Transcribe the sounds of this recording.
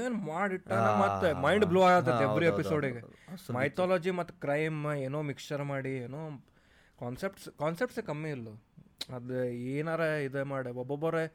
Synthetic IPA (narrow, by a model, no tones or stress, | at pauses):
eːnmaːɽiʈːaːnemɐt̪ːmɐjɳɖbluːaːɡat̪ːɐd̪ebːɐɾiepisoːɖiɡemɐjt̪ʰaːlɔːd͡ʒimɐt̪ːukɾɐjmeːnoːmikʂɐɾmaːɽieːnoː | kaːnsep̚ʈskaːnsep̚ʈsekɐmːiilːuɐd̪eːnaːɾeid̪emaːɽeɔbobːɐɾe